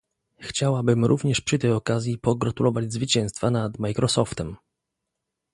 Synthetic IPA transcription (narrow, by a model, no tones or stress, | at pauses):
xt͡ɕawabɘmɾʔuvɲɛʂpʂɨt̪ɛjɔkazʲjipɔɡɾat̪ulɔvad͡ʑzvɘt͡ɕɛ̃w̃st̪fanad̪majkɾʔɔsɔft̪ɛm